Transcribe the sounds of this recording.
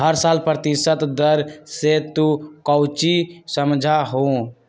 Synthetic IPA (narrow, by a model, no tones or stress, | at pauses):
ɦəɾsalpɾət̪isət̪d̪əɾset̪ũkəwt͡ʃisəmd͡ʒʱaɦõ